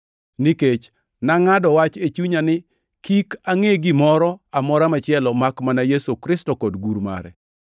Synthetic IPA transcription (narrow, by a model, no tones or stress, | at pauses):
niket͡ʃ | naŋadɔwat͡ʃet͡ʃuɲanɪ | kikaŋeɡɪmɔɾɔamɔɾamat͡ʃɪɛlɔmakmanajesokɾɪstɔkɔdɡuɾma̰ɾɛ̰